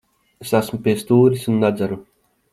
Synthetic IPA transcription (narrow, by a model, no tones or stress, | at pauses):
esæsmupʲiɛst̪uːɾisunːad̪zaɾu